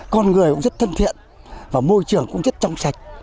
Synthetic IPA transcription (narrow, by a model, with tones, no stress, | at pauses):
kɔ˧nŋɨ˨˩əjkʊ̰˧˥ŋ͡mzə˦˥t̚t̪ʰə˧nt̪ʰḭ˧˨ən | vaː˨˩mo˧jt͡ɕɨ˨˩əŋkʊ̰˧˥ŋ͡mzə˦˥t̚t͡ɕɔ˧wŋ͡msa˨˩jk̟̚